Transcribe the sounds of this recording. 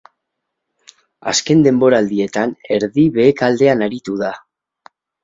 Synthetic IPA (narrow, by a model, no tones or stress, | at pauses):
a̰ske̞nd̪e̞mbo̞ɾaːld̪ie̞t̪ane̞ɾðiβe̞ːkald̪e̞anaɾit̪uða